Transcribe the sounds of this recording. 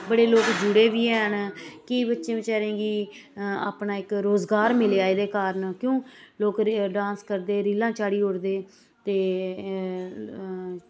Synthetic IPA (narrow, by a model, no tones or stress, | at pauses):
bəɽeːloːkd͡ʒʊɽeːʋiːɦɛːnkiːbətːʃẽːʋɪt͡ʃaːɾẽːɡiː | a̰ːpnaːɪkɾoːzɡaːɾmɪleːaːeːd̪eːkaːɾənkjõːloːkɖãːskəɾd̪eːɾiːlãːt͡ʃaːɽiːɦʊɽd̪eː | t̪eː